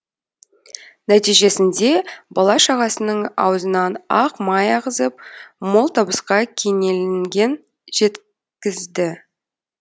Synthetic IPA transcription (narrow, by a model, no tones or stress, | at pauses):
næt̪ijʒe̞sɪnd̪e̞bɑlˠɑʃɑʁɑsənəɴɑ̰wəzənɑnɑqmɑjɑʁəzəp̚mo̞lˠt̪ʰɑbəsqɑkʲʰe̞ŋe̞lɪŋɡʲe̞n | ʒe̞t̪ | kʲɪzd̪ɪ